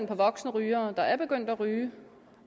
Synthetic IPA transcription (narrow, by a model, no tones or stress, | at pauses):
npʰɒ̽ʋɒ̽ɡ̥snəʁyːɐːd̥ɑ̈æɐb̥e̝ɡ̥øn̰d̥æʁyː